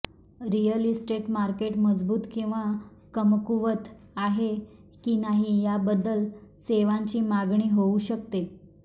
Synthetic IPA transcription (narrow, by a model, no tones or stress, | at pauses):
ɾijəlisʈeʈmaɾkeʈməd͡zbuːt̪kĩw̃ʋa | kəmkuʋət̪ | aɦe | kiːnaɦijabəd̪ːəlseʋãɲt͡ɕiːmaɡɳiːɦouɕək̚t̪e